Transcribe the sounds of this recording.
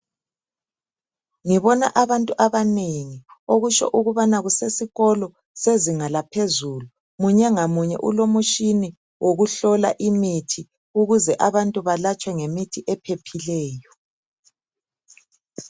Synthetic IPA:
ŋiβɔna̰ʔaβantʼuʔaβaneŋioɣut͡ʃɔ̰ʔuɣuβanaɣusesiɣɔlɔ | seziŋalapʰezulu | muɲɛŋamuɲɛ̰ʔulomuʃini | wʔoɣuɬɔla̰ʔimitʰi | uɣuzɛʔaβantʼuβalat͡ʃʼwɛŋemitʰiʔɛpʰepʰilɛːjɔ

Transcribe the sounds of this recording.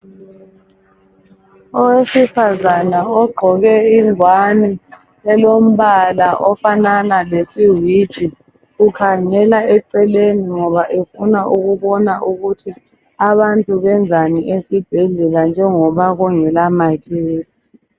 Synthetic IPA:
ɔwesifazanaɔɡ͡ǃʱɔɣɛiŋʱwani | ɛlom̩βalaʔɔfananalesiwid̥ʒ̥ʼʱi | ukʰaŋɛlaɛǃɛleniŋɔβaʔefunaʔuɣuβɔnaʔuɣutʰi | aβantʼuβɛnd͡zʱaniʔesib̥ʱɛɮɛland͡ʒʱɛŋɔβaɣuŋɛlamaɣeːsi̥i̥

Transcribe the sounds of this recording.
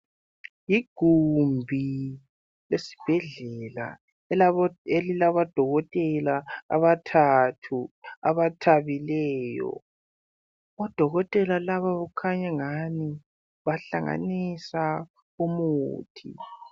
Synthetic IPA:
jiɡ̥ʱumbʱi | lesi̥b̥ʱɛɮɛla̰ | elilaβad̥ʱɔɣɔtʼɛla̰ːβatʰatʰua̰βatʰaβilɛːjɔ̰ | ɔd̥ʱɔɣɔtʼɛlalaβaβukʰaɲaŋani | βaɬaŋa̰nisa | umuːtʰḭ

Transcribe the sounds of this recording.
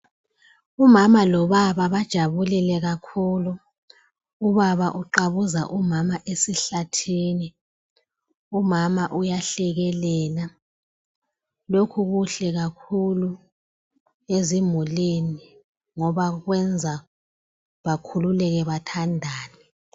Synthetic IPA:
umamalɔβaβaβad̥ʒ̥ʱaβulɛlɛɣakʰuːlu | uβaβaʔuǃaβuza̰ʔumamaʔesiɬatʰiːni | umamaʔujaɬɛɣɛlɛːla | lokʰuɣuɬɛɣakʰulu | ezimuleni | ŋɔβaɣwɛnd͡zʱa | βakʰululɛɣɛβatʰandʱaːni

